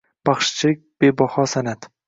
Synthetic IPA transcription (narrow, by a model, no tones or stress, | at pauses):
b̥ɑχʃt͡ʃʰɪɪk̚ʲb̥ebɒhɒsanat̪